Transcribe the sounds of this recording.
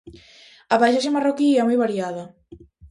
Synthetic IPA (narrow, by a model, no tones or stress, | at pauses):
aβajʃaʃ̬emarokiɛmojβaɾjaðɐ